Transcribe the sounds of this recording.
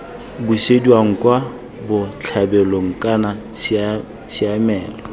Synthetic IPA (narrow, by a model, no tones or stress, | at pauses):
busediaŋ̩kʼwa | bʊt͡ɬʰabɛloŋ̩kʼana | t͡sʰʼɪamɛːlɔ